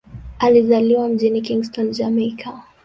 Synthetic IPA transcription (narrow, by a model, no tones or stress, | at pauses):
alizaliwam̩ʄinikiŋɡstɔnd͡ʒamɛkʰa